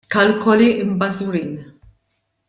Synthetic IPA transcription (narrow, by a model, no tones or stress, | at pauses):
kɐlkʰɔliɪmbɐzuɾiːn